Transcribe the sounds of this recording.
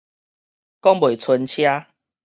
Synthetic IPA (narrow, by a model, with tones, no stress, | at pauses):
kɔ˦˥ŋbo˨˩˨t͡sʰə˧nt͡ɕʰja˦